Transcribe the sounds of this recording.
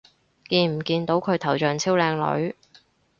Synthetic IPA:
kiː˧nm̩˨˩kiː˧nt̪o˨˥wkʰɵ˨˧ɥt̪ʰɐ˨˩wt͡ʃœː˨˩ŋt͡sʰiː˥wlɛː˧ŋlɵ̰˨˧˥ɥ

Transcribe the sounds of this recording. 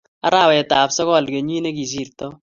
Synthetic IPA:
a˦ɾa˦˨wɛ˨ta˨psɔ˦kɔ˦˨lke˨ɲ˦i˦ne˦ki˨si˦˨ɾtɔ˦

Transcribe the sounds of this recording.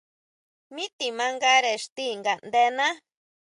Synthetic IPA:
mĩ˦t̪i˨mã˧ŋɡa˦ɾe˨ʂt̪i˦ŋɡa˨ʔnd̪e˧nã˦

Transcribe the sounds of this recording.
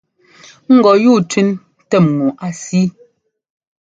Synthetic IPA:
ŋ̩˦ɡɔ˨juː˦˨tʰʉ˦n | tɛ˦˨mːu˨ʔa˨si˦

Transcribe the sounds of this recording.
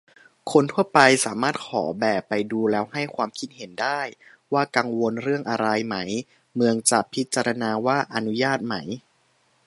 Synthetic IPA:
kʰo˧nt̪ʰu˥˩ɐpa˧jsaː˩˦maː˥˩t̪̚kʰɔ̰ː˩˦bɛː˨˩pːa˧jduː˧lɛː˦˥wha˥˩jkʰwaː˧mkʰi˧˥t̪̚he˩˦ndaː˥˩j | waː˥˩ka˧ŋwo˧nɾɯ˥˩əŋʔa˧ɾa˧jma˦˥j | mɯ˧əŋt͡ɕa˨˩pʰi˦˥t̪̚t͡ɕːa˧ɾa˧naː˧waː˥˩ʔa˧nu˦˥jaː˥˩t̪̚ma˦˥j

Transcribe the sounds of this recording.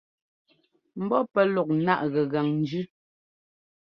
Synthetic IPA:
m̩˦bɔ˦pɛ˦lɔ˨k̚na˦ʔɣɛ˨ɣa˨ŋn̩˦d͡ʒʉ˦

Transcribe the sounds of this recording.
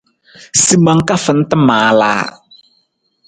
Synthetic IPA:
si˨ma˨ŋ˦ka˦fə˨n̩˦tə˦maː˨˦la̰ː˦

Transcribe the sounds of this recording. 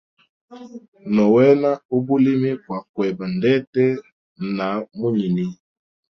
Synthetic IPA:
nɔ˨wɛ˦na˦o˦bu˦li˦mi˦kwa˨kwɛ˨ba˨ndɛ˦tɛ˦ | na˨˦mo˦ɲi˨ni˦

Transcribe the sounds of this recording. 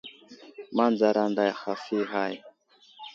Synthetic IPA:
ma˦nd͡za˨ɾa˨nda˨ja˨xa˨fi˦ɦa˦ji˨

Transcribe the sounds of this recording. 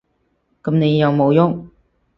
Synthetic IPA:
kɐ˨˧mne˨˧jːɐ˨˧wmo˨˧wjʊ˥ŋ

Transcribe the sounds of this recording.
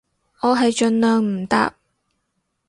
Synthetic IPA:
ɔː˨˧ɦɐ˨jt͡ʃɵ˨˧nlœː˨ŋm̩˨˩t̪a̰ː˧p̚

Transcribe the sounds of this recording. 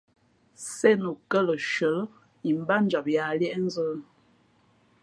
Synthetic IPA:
sɛ˦nə˨kə˦lə˨ʃə˨˦l | i˨m˦ba˦n˦d͡ʒa˨p̚ja˨lɛ˦ʔn̩˦zə˦l

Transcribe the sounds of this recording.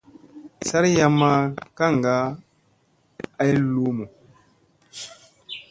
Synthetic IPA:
sa˦ɾja˨ma˦ka˦ŋ˨ɡa˦ | a˦jlo˦mo˨

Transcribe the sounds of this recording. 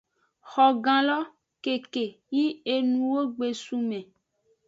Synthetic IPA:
xɔ˨ɡã˨lɔ˦ | ke˨ke˨ | ji˦e˨nũ˨wo˦ɡ͡be˨su˦mẽ˨

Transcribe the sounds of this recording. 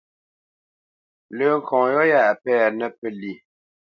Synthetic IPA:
lə˨ŋ̩˨kʰɔ̃˨jɔ˦ja˦˨ʔpɛ˦a˨nə˦pə˦li˨

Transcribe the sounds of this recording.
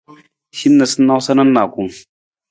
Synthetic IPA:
ʃɪ˦nːa˨sʊ˦nːa˦wsɐ˦nɐ˦nːaː˨kʷʊ˦ŋ

